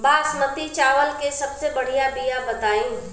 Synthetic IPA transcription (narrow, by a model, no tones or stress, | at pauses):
baːsmət̪it͡ʃaːʋəlkesɐbsebɐɽ̤ijabijabɐt̪aːĩ